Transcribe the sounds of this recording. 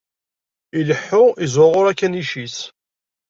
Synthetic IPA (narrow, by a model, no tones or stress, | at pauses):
iləħːʊizʊʁʊɾækːæniʃis